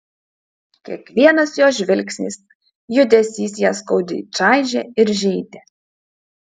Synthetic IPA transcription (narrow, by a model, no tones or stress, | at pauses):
kʲḭɛkʋʲiɛnɐsjoːʒʲʋʲɪlʲksʲnʲḭːs | jʊd̪ʲɛsʲiːsjɛːskɔʊd̪ʲɪ̰t͡ʃɑˑɪʒʲɛɪɾʒʲɛɪd̪ʲe